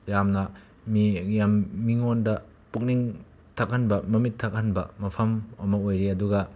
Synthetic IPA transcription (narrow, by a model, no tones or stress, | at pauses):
jamnɐ | mijamːiŋondɐ | puk̚niŋ | tʰɐk̚ɦɐnbɐmɐmitʰːak̚hɐnbɐ̰mɐpʰɐmɐmɐojɾiɐduɡɐ